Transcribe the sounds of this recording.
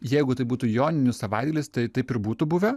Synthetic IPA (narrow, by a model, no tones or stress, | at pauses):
jɛɪɡʊt̪ɐɪbuːt̪ujoːnʲɪnʲʊssɐʋɐɪd̪̚ɡʲɐlʲɪst̪ɐɪt̪ɐɪpɪɾbuːt̪ubʊʋʲɛ